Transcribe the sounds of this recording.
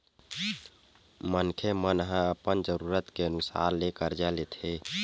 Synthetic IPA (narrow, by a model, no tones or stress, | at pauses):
mənkʰemənɦə̃əpənd͡ʒəɾuɾət̪keənusa̰ɾlekəɾd͡ʒalet̪ʰe